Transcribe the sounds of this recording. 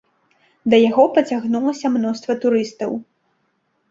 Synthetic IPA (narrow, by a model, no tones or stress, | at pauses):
d̪ɐjaɣɔpɐt͡sʲaɣnulˠɐsʲɐmnɔst̪vɐt̪uɾɨst̪ɐw